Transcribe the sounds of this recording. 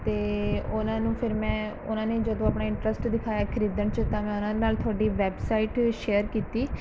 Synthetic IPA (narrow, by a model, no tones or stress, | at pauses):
t̪eːʊnãːnũːpʰɪɾmɛ̃ː | ʊnãːneːd͡ʒəd̪õːaːpɳaːɪ̃ɳʈɾəsʈd̪ɪkʰaːjaːkʰɪɾiːd̪əɳt͡ʃət̪ãːmɛ̃ːʊnãːd̪enaːlt̪ʰʊaːɖiːʋɛːbsaːiʈʃeːəɾkiːt̪iː